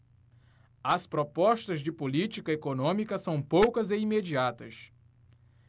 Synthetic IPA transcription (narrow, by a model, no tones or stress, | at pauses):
ɐspɾopɔʃt̪ɐzd͡ʒɪpolit͡ʃikɐekonõmikɐsɐ̃w̃powkɐzeimed͡ʒiat̪ɐs